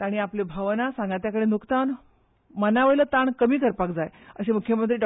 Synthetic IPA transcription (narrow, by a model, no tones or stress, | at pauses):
aɽ̃iaplebʱəʋnasãŋɡat̪jakəɽenuksan | mənaʋəɭlət̪aɳkəmiːkəɾpakd͡zajəɕemukʰjəmənt̪ɾiːɖ